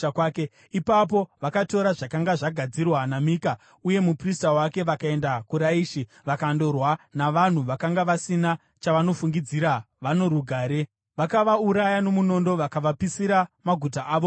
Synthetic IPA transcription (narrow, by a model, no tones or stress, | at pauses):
kwaːke | ipap̬o̞ʋakato̞ɾaʐakaŋɡaʐaɡʱad͡zirwanamika | uje̞mupristawake̞ʋakae̞ndakuɾaiːʃi | ʋakando̞rwanaʋan̤uʋakaŋɡaʋasina | t͡ʃaʋano̞fuŋɡid͡ziɾa | ʋano̞ɾuɡʱaːɾe̞ | ʋakaʋauɾajano̞muno̞ndo̞ʋakaʋapisiɾamaɡʱutaʔaːʋo